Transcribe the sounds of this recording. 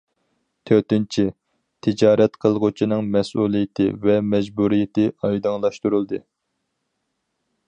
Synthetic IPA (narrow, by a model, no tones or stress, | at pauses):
t̪ʰøɾt̪ɪnt͡ʃʰi | t̪ʰɪd͡ʒɑːɾɛt̪qʰəlˠʁʊt͡ʃʰinɨŋmɛsulˠijɪt̪ʰɪ̰vɛmɛd͡ʒbuɾijɪt̪ʰɪɑjd̪ɨŋlˠɑʃt̪uɾulˠd̪ɨ